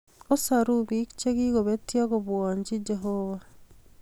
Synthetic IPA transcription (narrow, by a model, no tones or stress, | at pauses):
osaɾuβikt͡ʃeɣiɣoβetjaɣoβwaɲd͡ʒid͡ʒɛɦoβa